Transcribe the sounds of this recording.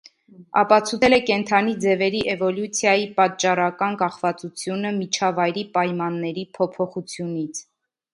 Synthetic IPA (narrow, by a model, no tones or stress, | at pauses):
ɑ̰pɑt͡sʰut͡sʰɛlɛkɛnt̪ʰɑnid͡zɛvɛɾiʔɛvɔljut͡sʰjɑjipɑt̪t͡ʃːɑɾɑkɑnkɑχvɑt͡sut͡sʰjunəmit͡ʃʰɑvɑjɾipɑjmɑnːɛɾipʰɔpʰɔχut͡sʰjunit͡sʰ